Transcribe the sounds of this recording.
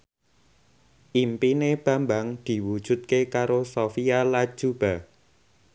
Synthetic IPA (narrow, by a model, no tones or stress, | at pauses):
ʔimpineb̥a̤mbaŋd̪̥i̤wud̥ʒ̥ṳt̪̚kekaɾosofijalḁʒ̥ub̥a